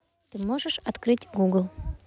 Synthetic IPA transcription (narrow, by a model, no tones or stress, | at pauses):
t̪ɨmoʐəʂɐt̪kɾɨtʲɡuɡlˠ